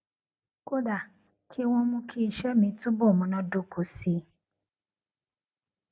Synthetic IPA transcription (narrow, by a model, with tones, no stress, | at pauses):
ko˦da˦˨ | kʰi˦w̃ɔ̃˦mũ˧kʰi˦i˦˧ʃɛ˦mĩ˧˦tũ˦bo˦˨mũ˨˧˦nã˧˦do˦ko˨si˧˦